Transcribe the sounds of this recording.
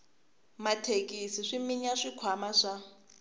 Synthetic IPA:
matʰekʼisiʂimiɲaʂikʰwamaʂa

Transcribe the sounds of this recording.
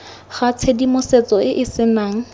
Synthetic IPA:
χat͡sʰedimʊset͡sɔɪʔɪsɪnaːŋ̩

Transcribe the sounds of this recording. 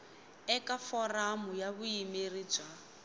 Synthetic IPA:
ɛkafɔramʊjaβuimerid͡ʒa

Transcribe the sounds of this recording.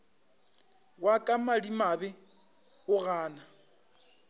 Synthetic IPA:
wakʼamalimabɛ | ʊɣaːna

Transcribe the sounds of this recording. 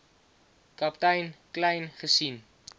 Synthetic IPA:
kɐptɛjnklɛjnχəsin

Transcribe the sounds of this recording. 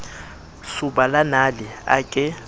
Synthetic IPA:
suɓalanalɪa̰kʼɪ

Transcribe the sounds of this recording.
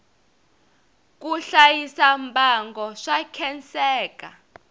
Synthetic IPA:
k̬ʼuɬajisambʱaŋɡɔʂakʰɛnt͡sɛːkʼa

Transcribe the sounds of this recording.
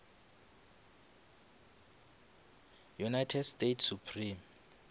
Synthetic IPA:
junajtʰɛdstetʰsupʰrim

